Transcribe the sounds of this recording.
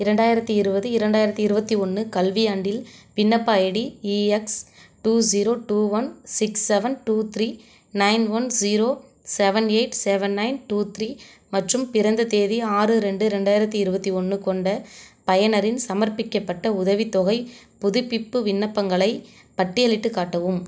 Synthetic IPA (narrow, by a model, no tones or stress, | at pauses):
ɪɾɛɳɖaːjɪɾɐt̪ːɯɪɾɯbɐðɯɪɾɐɳɖaːjɪɾɐt̪ːɯɪɾɯbɐt̪ːiɔnːɯkɐlʋijaːɳɖɪlʋɪnːɐpːaːɛɽiiːɛksʈuːziːɾoːʈuːʋɐnsɪksːɛʋɐnʈuːt̪ɾiː | nɐɪnʋɐnziɾoː | sɛʋɐneɪʈsɛʋɐnːɐɪnʈuːt̪ɾiː | mɐʈrɯmpɪɾɐnd̪ɐt̪eːðiaːrɯɾɛɳɖɯɪɾɛɳɖaːjɪɾɐt̪ːiɪɾɯbɐt̪ːiɔɳːɯkɔɳɖɐpɐjɐnɐɾɪnsɐmɐɾpɪkːɐpːɐʈːɐʊðɐʋit̪ːɔɣɐɪpʊðʊpːɪpːɯʋɪnːɐpːɐŋɡɐɭɐɪ | pɐʈːɪjɐlɪʈːɯkːaːʈːɐʋɯm